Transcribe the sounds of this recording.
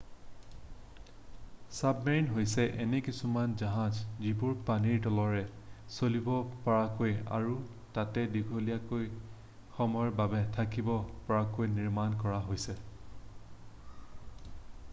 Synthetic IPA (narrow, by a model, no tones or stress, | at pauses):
sabmɛɹinɦojsɛʔɛnɛkisumanzaɦãzzibʊɹpaniɹtɔlɔɹɛ | solibɔpaɹakoja̰ɹu | tatɛdiɡʱolijakoj | xɔmɔjbabɛtʰakibɔpɔɹakojniɹmankɔɹaɦojsɛ